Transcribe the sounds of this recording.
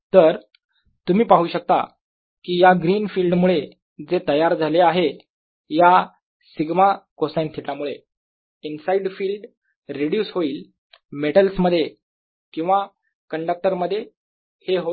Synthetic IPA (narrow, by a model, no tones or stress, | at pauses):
t̪əɾ | t̪umiːpaɦuːɕək̚t̪a̰ | kiːjaɡɾiːnfiːlɖmuɭe | d͡zet̪əjaɾd͡zʱaleaɦe | ja | siɡmakosajnt̪ʰiʈlamuɭe | insaiɖfiːlɖ | ɾeɽjuːsɦoiːl | meʈəlsməd̪ʱːje | kĩw̃ʋa | kəɳɖək̚ʈəɾməd̪ʱːje | heɦo